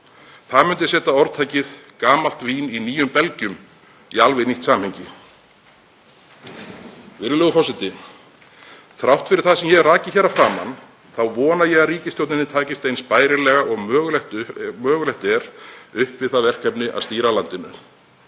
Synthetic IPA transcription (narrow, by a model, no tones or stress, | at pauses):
θaðmʏnt̪ɪsɛːt̪aɔɾt̪ʰaːjcɪðkaːmal̥t̪viːniniːjʏmpɛlcʏm | ialvɪniht̪saːmhɛjɲcɪ | vɪɾɪlœːɣʏfawsɪnt̪ɪ | θɾawht̪fɪɾɪɾ̥θaðsɛmjɛɣraːcɪçɛɾafɾaːma̰n | θawvɔːnajɛɣaðɾiːcɪst̪jowt̪nɪnːɪt̪ʰaːcɪst̪ejnspaːjɾɪlɛːɣaɔɣmœːɣlɛht̪ʏmœːɣʏlɛht̪ɛɾʏhpvɪð̥θaðvɛr̥kʰɛpnɪʔa̰ðst̪iːɾalant̪ɪnːʏ̰n